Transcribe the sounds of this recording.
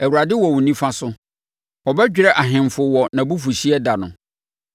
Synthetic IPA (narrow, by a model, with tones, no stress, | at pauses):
æ˨wu˨ɾa˨dɪ˦wɔ˨wʊ̃˨nĩ˦fã˦sʊ˦ | ɔ˨bɛ˦d͡ʑᶣɪ˦ɾɛ˦ʔa˨ɦɪ̃˨mfʊ˨wɔ˨nã˨bu˦fu˨ɕi˦ɛ˦da˨nʊ̰̃˨